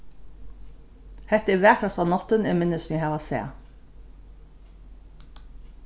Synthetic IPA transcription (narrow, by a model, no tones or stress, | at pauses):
hɛht̪əiʋæːkɹɑsɑːʋnɔt̪ənɛmɪnəsmjɛhɑːʋɑsḛː